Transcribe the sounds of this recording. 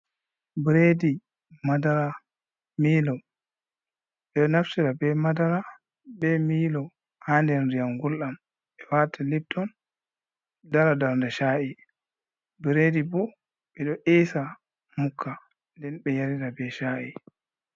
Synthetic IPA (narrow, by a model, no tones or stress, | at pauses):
bɾedi | madaɾa | miːlɔ | ɓɛɗɔnaftiɾabɛmadaɾa | bɛmiːlɔ | haːndɛnɾijamɡulɗam | ɓɛwatʰalib̚tʰɔn | daɾadaɾndɛʃaːʔi | bɾedibɔ | ɓɛɗɔʔɛsa | mukʰːa | ndɛnɓɛjaɾiɾabɛʃaːʔi